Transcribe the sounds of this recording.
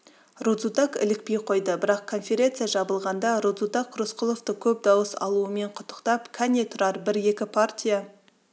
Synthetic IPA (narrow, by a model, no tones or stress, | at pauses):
rud̪zut̪akɪ̰lɪk̚pe̞jqʰo̞jd̪əbɪɾɑqkʰo̞nfʲe̞ɾʲe̞nt̪sɨjaʒɑbəlˠʁɑnd̪ɑɾud̪zut̪akʰːɾusqʊlˠoft̪əkʲʰɵp̚d̪ɑwəsɑ̰lˠuəme̞ɴqʰʊ̥t̪ːə̥qt̪ɑpkʲʰænʲet̪ʰʊɾɑɾbɪɾe̞kʲɪpʰartʲija